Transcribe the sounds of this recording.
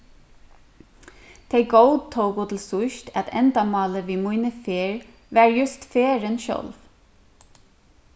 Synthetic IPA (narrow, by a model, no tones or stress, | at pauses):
t̪ʰeɪɡoʊd̪̚t̪ʰoʊkʊːt̪ʰɪl̩sʊʃt̪ʰæt̪ʰɛ̰nd̪amɑːləʋiːmuɪnəfeːɹ | ʋæːɹjʉst̪feːɹənʃœ̰lʋ